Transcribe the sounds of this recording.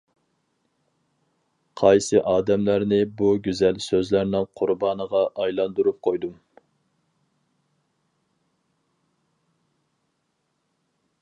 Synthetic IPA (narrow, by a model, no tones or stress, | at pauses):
qʰɑjsɨʔɑːd̪ɛmlæɾnɪbuɡʲyzɛlsøzlæɾnɪŋqʰʊɾbɑːnəʁɑʔɑjlˠɑnd̪uɾup̚qʰojd̪um